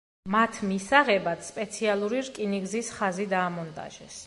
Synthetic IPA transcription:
mat̪ʰmisaʁɛbad̪spʼɛt̪sʰialˠuɾiɾkʼiniɡzisχazid̪aːmɔnt̪ʼa̰ʒɛs

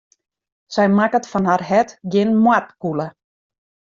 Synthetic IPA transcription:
sɛjmakətfɔnharhɛtɡɪnmwatkulə

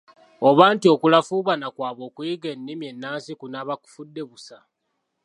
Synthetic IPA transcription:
oβaːntio̞kulafuːβanakwaːβo̞ːkuiɡe̞nːimje̞nːaːnsikunaβaku̥fudːe̞βusa

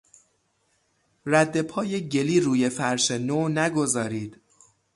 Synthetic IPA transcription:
ræd̪ːe̞pʰɒːjeɟe̞liːɾuːje̞fæɾʃenoːnæɡo̞zɒːɾiːd̪̥

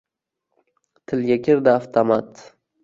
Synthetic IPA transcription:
t̪ʰɪlɡʲakʲʰɪɾd̪ɪaft̪ʰamat̪

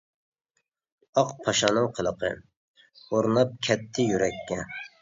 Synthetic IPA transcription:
ɑqpʰɑʃɑnɨŋqʰəlˠəqʰə̰ | oɾnɑp̚kʲʰɛt̪ʰːɪjyɾɛkʲʰːɛ

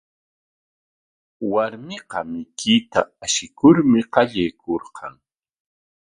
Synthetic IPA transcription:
waɾmɪqɑmɪkɪt̪a̰aʃɪkʊɾmɪqɑʎajkoɾqɑ̰ŋ

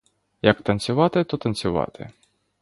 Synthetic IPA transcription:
jɐkt̪ɐnʲt͡sʲsʲʊʋɑt̪ɪt̪ɔt̪ɐnʲt͡sʲʊʋɑ̰t̪ʰɪ̰

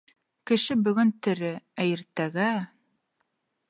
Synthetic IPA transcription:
kɘ̆ʃɘbɵ̆ɡɵnt̪ɘ̆ɾɘæjɘ̆ɾt̪æɡæ

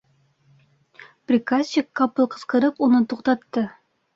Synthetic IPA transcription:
prʲɪkasʲt͡ɕɪkːɑpɤlˠqɤ̥̆sqɤ̆ɾɤpunɤt̪uqt̪ɑt̪ːɤ

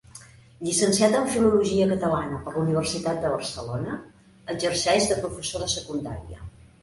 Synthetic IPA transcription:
ʎisənsiat̪əɱfiluluʒiəkət̪əlanəpərluniβ̞ərsit̪at̪̚d̪əβərsəlonə | əd͡ʒərsɛʒdəpɾufəsoɾəsəkund̪a̰ɾiə̰

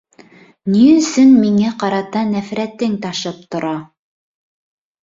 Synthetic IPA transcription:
niɵ̆sɵnmiŋæqɑɾɑt̪ɑnæfɾæt̪ɘŋt̪ɑʃɤp̚t̪ŏɾɑ

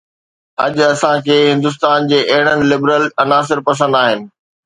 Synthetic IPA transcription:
ɦɐʄʊɐsãkʰeːɦɪ̃nd̪ʊs̬t̪aːnd͡ʑeːʔɐɦɪɽ̃ənɪ̆lɪbɾəlɐnaːs̬ɪɾpɐs̬ə̃n̆d̪aːɦɪnɪ̆

